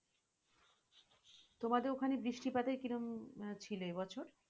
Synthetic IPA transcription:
t̪omad̪eɾokʰanebɾiʃʈipat̪eɾkiɾomt͡ɕʰiloebɔt͡ɕʰoɾ

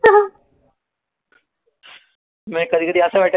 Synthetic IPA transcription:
mɛ̃kəd̪ikəd̪iɐsabɛːʈʰ

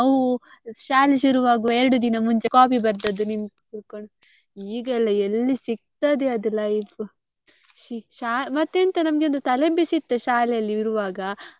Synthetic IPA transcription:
ɐwu | ʃaːleʃuɾuʋaːɡuɛɾɐɽud̪inɐmuɲt͡ʃe̞kaːpibɐɾd̪ɐd̪ːunimɡ̪ | uɽkoɳ | iːɡɐlːɐelːisiɡ̚t̪ad̪eɐd̪ɐlɐipu | ʃiʃaːmɐt̪ːent̪ɐnɐmɡeond̪ut̪ɐlebisit̪ːɐʃaːlɛjɐlːiiɾuʋaːɡɐ

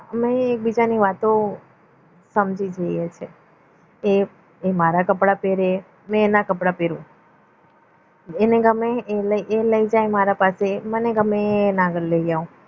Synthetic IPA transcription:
əmeːk̚bid͡ʒaniʋat̪o | səmd͡ʒid͡ʒəijet͡ʃʰe | e | emaɾakəpɽapeɾe | mɛ̃ːnakəpɽapeɾũ | eneɡəmeləʔeləid͡ʒajmaɾapaseməneɡəmenãɡəɾləid͡ʒaũ

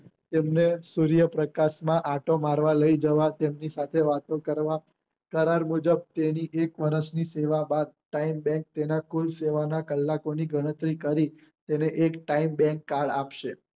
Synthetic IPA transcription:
t̪emnesuɾijəpɾəkaʃmãʔaʈʰomaɾʋaləid͡ʒəʋat̪emnisat̪ʰeʋat̪õkəɾʋa | kəɾaɾmud͡ʒəb̚t̪eniʔekʋəɾəʃniseʋabad̪̚ʈaimbɛ̃ŋk̚t̪enakulseʋanakəlːakoniɡəɽ̃ət̪ɾikəɾi | t̪eneʔekʈaimbɛ̃ŋkːaɭapʃe

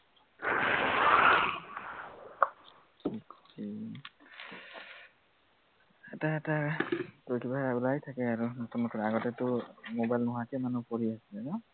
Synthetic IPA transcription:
tʰikki | ɛtaɛtatojkʰibaulajtʰakɛaɹunɔtunɔkʰɔnɛaɡɔtɛtʊmobajlnɔɦakɛmanupoɹiasilɛnɔ

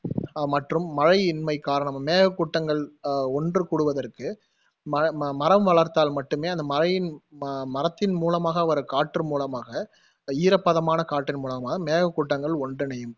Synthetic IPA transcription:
mɐʈrɯmːɐɻɐɪɪnmɐɪkaːɾɐɳɐmːeːɣɐkːʊʈːɐŋɡɐɭɔndrɯkʊɽɯʋɐðɐrkɯ | mɐmɐɾɐmʋɐɭɐɾt̪aːlmɐʈːɯmeːɐnd̪ɐmɐɾɐjɪnmɐɾɐt̪ːɪnmuːlɐmaːɣɐʋɐɾɯkaːʈːɯmuːlɐmaːɣɐ | iːɾɐpːɐðɐmaːnɐkaːʈːɪnmuːlɐmaːɣɐmeːɣɐkːʊʈːɐŋɡɐɭɔndrɯnɛjɯm

